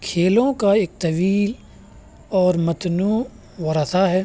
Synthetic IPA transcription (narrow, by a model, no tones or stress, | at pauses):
kʰeːlõkaeːk̚t̪ɐʋiːl | ɔːɾmɐt̪nuː | ʋɐɾəsaɦɛː